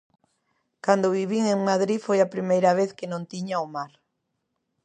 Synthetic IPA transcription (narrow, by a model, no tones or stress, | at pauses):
kand̪oβiβiŋeŋmaðɾifojapɾimejɾaβ̞eθkenõnt̪iɲaomaɾ